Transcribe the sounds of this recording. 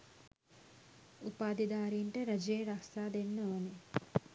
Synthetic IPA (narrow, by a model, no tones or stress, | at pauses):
upaːd̪id̪aːɾiɳʈeɾɐd͡ʒeːɾaksaːd̪enːoːne